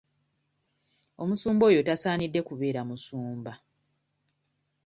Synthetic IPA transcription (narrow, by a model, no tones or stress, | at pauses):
o̞musuːmbo̞ːjo̞tasaːnidːe̞kuβe̞ːɾamusuːmba